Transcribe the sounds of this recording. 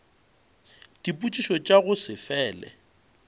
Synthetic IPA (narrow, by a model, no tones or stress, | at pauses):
d̥ipʼut͡ʃʼiʃɔt͡ʃʼaɣʊsɪfɛːlɛ̰